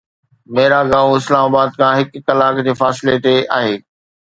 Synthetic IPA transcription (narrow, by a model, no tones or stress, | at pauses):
meːɾaɡaːʋõɪslaːmaːbaːd̪kʰãːɦɪkːɐlaːkd͡ʑeːfaːsɪlet̪eʔa̰ːɦeː